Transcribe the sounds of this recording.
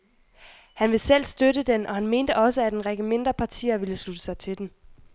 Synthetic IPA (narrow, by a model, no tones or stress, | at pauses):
hænʋe̝sel̰sd̥øɾəd̥enʔɒ̽hænme̝ːnd̥əʔɒ̽səæd̥enʁeɡ̥əme̝nd̥ʁɐpʰɑ̈t͡sʰḭːɐʋiləslud̥ə̥sɑ̈ɪt͡sʰe̝d̥en